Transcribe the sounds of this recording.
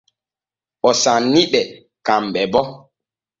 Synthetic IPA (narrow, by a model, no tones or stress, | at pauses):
ɓɔsanːiɓɛ | kamɓɛbɔ